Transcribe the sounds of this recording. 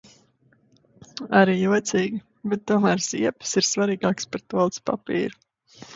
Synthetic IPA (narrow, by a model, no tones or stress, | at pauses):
aɾiːjuɔt̪siːɡʲi | bɛt̪̚ːuɔmæːɾz̥iɛpsiɾsvaɾiːɡaːkspaɾt̪uɔlˠt̪spa̰pḭːɾu